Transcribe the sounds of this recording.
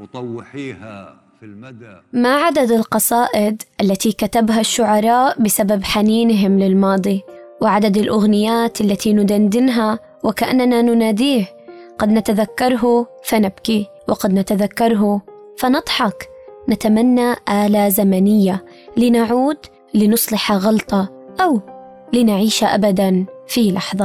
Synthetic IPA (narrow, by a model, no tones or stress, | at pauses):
maʕad̪ad̪ɪlqɑsˤɑːʔɪd̪ʔalːat̪ikat̪abɦaʃːʊʕɑɾˤɑːʔbɪsababħaniːnɦɪmlɪlmɑːd̪ˤi | wɪʕad̪ad̪ɪlʔʊɣnɪjaːt̪ʔalːat̪ʰinʊd̪and̪ɪnɦa | wɪkaʔanːananʊnaːd̪iːh | ɡɑd̪nat̪aðakːɑɾˤɦu | fanabki | wɪɡɑd̪nat̪aðakːɑɾˤɦufanɨd̪ˤħɑknat̪amanːaʔaːlazamanɪjːa | lɪnaʕuːd̪ | lɪnʊsˤlɪħɑɣɑlt̪ˤɑʔawlɪnaʕiːʃaʔabad̪anfilɑħðˤɑ